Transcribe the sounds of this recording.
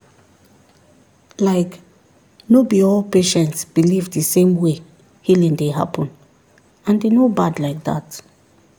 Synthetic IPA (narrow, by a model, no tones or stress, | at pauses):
laɪk | nobiɔlpeʃɛ̃ntsb̥ilivðɨsẽmwe | hilĩŋdeɦa̰pʰə̃n | ãndenobadlaɪk̚ða̰t